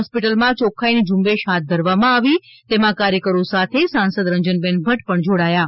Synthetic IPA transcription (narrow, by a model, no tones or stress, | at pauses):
ɦɔspiʈəlmãt͡ʃokʰainid͡ʒʊmbeʃɦat̪̚d̪ʱəɾʋamãaʋi | t̪emãkaɾjəkəɾosat̪ʰesãnsəd̪ɾəɲd͡ʒənbɛ̃nbʱəʈpəɳd͡ʒoɽaja